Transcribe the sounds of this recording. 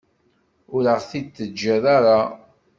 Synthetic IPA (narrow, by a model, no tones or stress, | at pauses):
ʊɾəʁθid̪θəd͡ʒːæðaɾa